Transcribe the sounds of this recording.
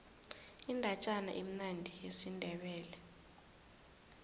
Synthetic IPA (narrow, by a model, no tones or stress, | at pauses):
indʱat͡ʃʼana̰ʔem̩nandʱijesindʱɛɓɛːlɛ